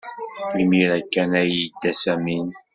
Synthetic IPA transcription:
imiɾækːænæjəd̪ːæsæmin

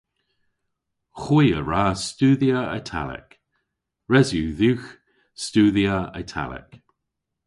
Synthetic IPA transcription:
xwiːəɹaːstuːðiəə̰tʰa̰lɛ̰k | ɹɛzjuːðuːx | stuːðiəə̰tʰa̰lɛ̰k

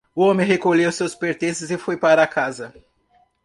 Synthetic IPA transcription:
ʊõmẽɦekoʎewsewspeɾt̪ẽsɪzɪfojpaɾɐːkazɐ

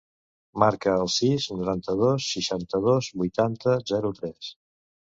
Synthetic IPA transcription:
maɾkəːlˠsiznuɾant̪əð̞osːiʃant̪əðozβujt̪ant̪əzɛɾut̪ɾɛs

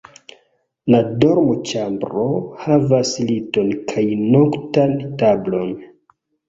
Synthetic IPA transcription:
ladoɾmot͡ʃambɾohavaslito̞nkʰajnoktantablo̞n

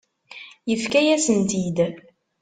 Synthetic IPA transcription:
jəfkæjæsənt̪id̪

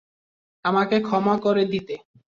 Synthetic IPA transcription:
amakekʰɔmakoɾed̪it̪e

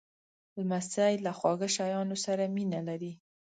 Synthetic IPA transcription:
lmasajlaxwɑɡəʃajɑnosaɾaminalaɾi

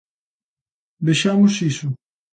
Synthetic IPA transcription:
d̪eʃamʊsisʊ

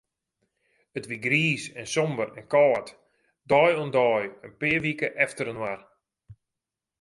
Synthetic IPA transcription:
ətʋiɡriːsɛnsɔmbərɛ̰nkɔːət | dɔjɔndɔjənpɪːərʋikəʔɛftəɾənwar

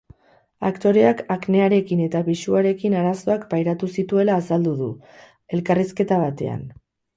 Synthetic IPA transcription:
a̰kt̪o̞ɾe̞akakne̞aɾe̞kine̞t̪aβiʃuaɾe̞kinaɾaso̞akbajɾat̪usit̪ue̞laːsald̪uðu | e̞lkariske̞t̪aβ̞at̪e̞̰a̰n

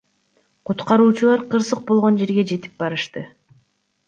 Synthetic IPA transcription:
qʰut̪qɑɾuːt͡ʃulˠɑɾqɯɾsɯq̚bo̞lˠʁo̞nd͡ʒe̞ɾɡe̞d͡ʒe̞t̪i̥p̚bɑɾɯʃt̪ɯ

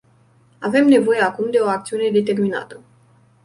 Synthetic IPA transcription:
ave̞mne̞vo̞jeakumd̪e̞o̞ak̚t̪siune̞d̪e̞t̪e̞rmina̰t̪ə

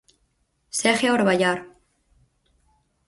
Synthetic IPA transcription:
sexjaoɾβaʎaɾ

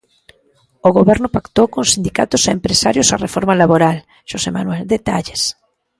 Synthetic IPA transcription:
oɣoβɛɾnʊpakt̪owkõŋsind̪ika̰t̪ʊsaempɾesaɾjosarefoɾmalaβoɾal | ʃosema̰nwɛld̪et̪aʎes

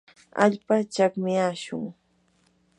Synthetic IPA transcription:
a̰ʎpat͡ʃakmɪjaʃʊ̰ŋ

